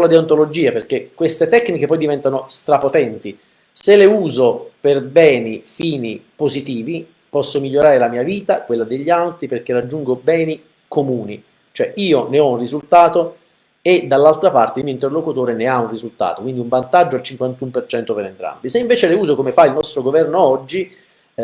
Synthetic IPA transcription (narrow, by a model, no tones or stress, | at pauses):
lad̪iant̪olod͡ʒiːaperk̟ekːwest̪et̪ɛkːnik̟epɔjd̪ivɛnt̪anost̪ɾapot̪ɛnt̪i | seleuːzoperbɛːnifiːnipozit̪iːvi | pɔsːomiʎːoɾaːɾelamiːaviːt̪akwelːad̪eʎːalt̪ɾiperk̟erad͡ʒːuŋɡobɛːni | kʰomuːni | t͡ʃoɛʔiːoneɔunrizult̪aːt̪o | ed̪alːalt̪ɾapart̪eilmioint̪erlokut̪oːɾeneaunrizult̪a̰ːt̪okwind̪iuɱvant̪ad͡ʒːoalt͡ʃiŋkwant̪umpert͡ʃɛnt̪opeɾent̪ɾa̰mbiseiɱveːt͡ʃeleuːzokomefailnɔst̪ɾoɡovɛrnoɔd͡ʒːi